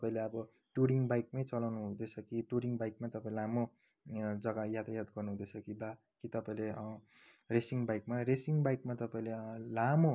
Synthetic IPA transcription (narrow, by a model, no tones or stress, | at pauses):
ʌpãĩleʌbʌ | ʈuɾiŋbajk̚majt͡sʌlawnuɦud̪et͡sʰʌkiʈuɾiŋbajk̚mat̪ʌpãĩlelamo | d͡zʌɡajat̪ajat̪ɡʌrnuɦũd̪et͡sʰʌkiba | kit̪ʌpaĩle | resiŋbajk̚maɾesiŋbajk̚mat̪ʌpaĩlelamo